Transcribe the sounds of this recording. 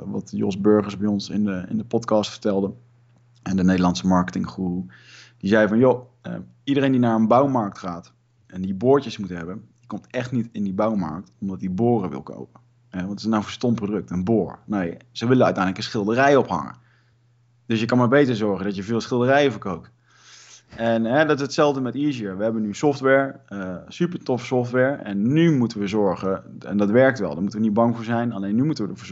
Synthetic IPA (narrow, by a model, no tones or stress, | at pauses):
ʋɑ̰tjɔ̰sbøɹχəɹzbɛjɔnsɪnəɪ̰ndəpɔtkɑstfə̥ɹtɛlˠdən | ɛndənejdəlɑntsəmɑɹkətɪŋχru | d̥izɛjəvɑnjoə̰ | idəɾejndinaːɹənbawmɑɹk̚tχaːt | ɛndibʊːɹtəsmutəɦɛbəndikɔmtɛχtnitɪndibɑwmɑ̰ɹk̚tɔmdɑt̚ibʊːrəʋɪ̰lˠko̰wpə | ʋɑntznawvəstɔmprodɵk̚tənbʊːɹnojsəʋɪlənœɥtɛjnləkənsχɪlˠdərɛjɔpɦɑ̰ŋə̰ | d̥ɵsjəkɑnmaːɹbejtəɹzɔɹχəndɑtjəvɪːlˠsχɪlˠdərɛjəvəɹkowk̚t | ɛnɦɛdɑtɪsətsɛlˠvdəmɛtisiəʋəɦɛbənysɔftʋɛɹəsypəɹtɔfə̥sɔftʋɛɹɛ̰nːymutəʋəzɔɹχəɛ̰ndɑtʋɛɹk̚tʋɛ̰lˠdəɹmutəʋənid̚bɑŋvʊːɹzɛjnalejnːymutəʋədəv